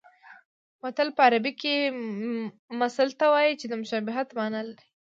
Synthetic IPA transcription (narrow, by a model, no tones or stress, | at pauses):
wat̪əlpəaɾabike | masalt̪awɑjit͡ʃed̪əmʊʃɑbɪɦat̪mɑnəli